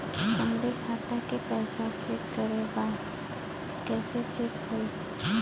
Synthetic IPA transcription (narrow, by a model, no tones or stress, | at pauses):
ʃəmlekʰaːt̪akepɛːsat͡ʃekːəɾebãː | kɛːset͡ʃekɦoi